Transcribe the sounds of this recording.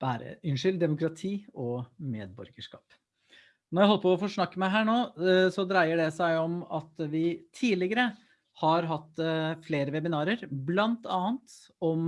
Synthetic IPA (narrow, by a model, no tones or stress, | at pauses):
b̥æːɾə̰ʏnʂʏld̪ɛmʊkɾɑt̪ʰiːɔmḛːd̪bɔ̰ɾɡəʂkɑ̰ːp | nɔɾjæɪhɔlːəpɔɔfoːʂnɑkːəmæɪɦæːɳoːsɔd̪ɾæɪəɖɛsæɪɔmɑt̪ʋɪt̪ʰiːlɪɡəɾə | hɑɾɦɑt̪ːfleːɾəʋɛbɪnɑːɾəɾblɑnt̪ɑːənt̪ | ɔm